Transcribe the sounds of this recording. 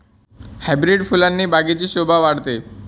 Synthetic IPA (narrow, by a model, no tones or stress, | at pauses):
habiɾeɖfʰulanːibaɡid͡ʑiʃobʱabaɽt̪e